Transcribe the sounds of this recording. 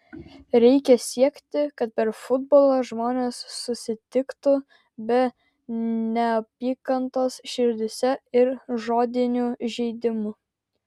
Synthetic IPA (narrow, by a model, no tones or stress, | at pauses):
ɾʲɛɪkʲɛsʲiɛkt̪ʲɪkɐt̪̚pʲɛɾfʊd̪boːlˠoʒmoːnʲeːsːʊsʲɪt̪ʲɪkt̪ʊ | bʲɛ | nʲɛɐpʲiːkɐnt̪oːsʃʲɪɾʲd̪ʲɪsʲɛɪɾʒoːd̪ʲɪnʲuʒʲɛɪd̪ʲɪmʊ